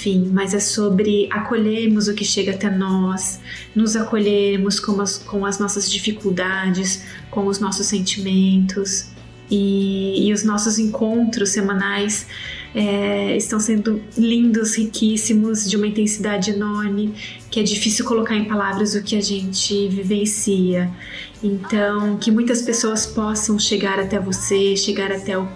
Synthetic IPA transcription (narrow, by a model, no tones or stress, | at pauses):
fĩmɐzɛsobɾɪakoʎeɾmʊzʊkɪʃeɡɐat̪ɛnɔs | nʊzakoʎeɾmʊskõkõw̃ɐznɔsɐzd͡ʒifikuwd̪ad͡ʒɪs | kõw̃ʊznɔsʊsːẽnt͡ʃimẽnt̪ʰʊs | ɪːʊznɔsʊzẽŋkʰõnt̪ɾʊsːemãnajsɛɪst̪ɐ̃w̃sẽnd̪ʊlĩnd̪ʊshikʰisimʊzd͡ʒɪũmɐĩnt̪ẽsid̪ad͡ʒɪenɔɾnɪ | kɪɛd͡ʒifisiwkolokaɾẽj̃palavɾɐzʊkɪɐʒẽnt͡ʃɪvivẽsiɐ | ẽnt̪ɐ̃w̃kɪmũj̃t̪ɐspesoɐspɔsɐ̃w̃ʃeɡaɾat̪ɛvoseʃeɡaɾat̪ɛʊ